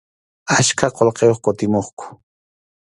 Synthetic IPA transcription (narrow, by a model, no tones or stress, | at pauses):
at͡ʃkʰaqolqejoχkʊt̪ɪmoχkʊ̥